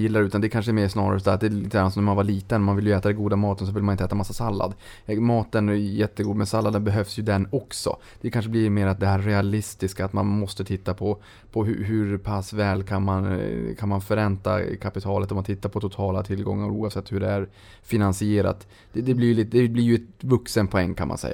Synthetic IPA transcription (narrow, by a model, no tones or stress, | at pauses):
jɪlːaɾʉ̟ːt̪and̪ɛkʰanʂəɛɾmeːʂnɑːɾa̰ɾəsɔd̪æɾt̪̚d̪ɛliːt̪ːamːasɔmmanvaɭiːt̪ənɔmanvɪljɵɛːt̪ad̪ɛnɡuːd̪amɑːt̪əns̬ɔvɪlmanɪnt̪əɛːt̪amasːasalːa̰d̪ | mɑːt̪ənjɛt̪ːəɡuːd̪mɛsalːad̪ənbɛɦœvsjɵd̪ɛnːɔksɔ̰ | d̪̥ɛkʰanʂ̬əb̪ɪɾmeːɾat̪̚d̪ɛɦæːɾɛalɪst̪ɪskaːt̪manmɔst̪ət̪ʰɪt̪ːapʰɔ | pʰɔɦɵ̰ɦʉɾpʰasvɛːlkʰanmankʰanmanfœɾɛnt̪a̰kʰapɪt̪ʰɑːlət̪ɔmant̪ʰɪt̪ːaɾpʰɔt̪ʰʊt̪ʰɑːlat̪ʰɪlɡɔ̰ŋːa̰ɾuːɑːvsɛt̪ːhɵɖɛæɾ | fɪnansɪeːɾa̰t̪ | d̪ɛd̪ɛblɪɾjlid̪ɛblɪɾjɵɛt̪vɵksənpʰɔɛŋːkʰanmʔa̰nsɛ̰jːa